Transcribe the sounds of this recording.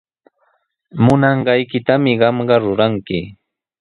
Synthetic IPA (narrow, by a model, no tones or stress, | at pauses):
mʊnɑɴɢɑjkɪt̪amɪɢɑmɢɑɾʊɾaŋkɪ